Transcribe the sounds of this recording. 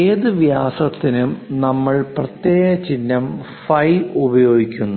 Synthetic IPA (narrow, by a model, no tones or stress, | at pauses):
eːðɨʋjaːsɐt̪ːinumnɐmːɐɭprɐt̪jeːɣɐt͡ɕinːɐm | fɐjubɐjo̞ːɡikʲːunːu